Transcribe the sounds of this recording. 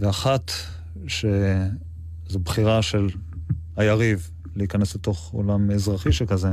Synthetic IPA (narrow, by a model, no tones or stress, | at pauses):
veaχat̪ | ʃe | zobχiʁaʃelhajaʁiv | leikanesbeto̞χo̰lamezʁaχiʃekaze